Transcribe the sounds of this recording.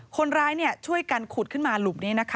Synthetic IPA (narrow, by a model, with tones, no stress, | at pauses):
kʰo˧nɾaː˦˥jni˥˩ɐt͡ɕʰu˥˩əjka˧nkʰuː˨˩t̪̚kʰɯ˥˩nmaː˧lu˨˩m̚niː˦˥na˦˥kʰa˦